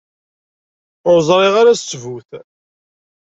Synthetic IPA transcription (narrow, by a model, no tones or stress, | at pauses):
ʊɾzˤɾˤiʁaɾæsvuθ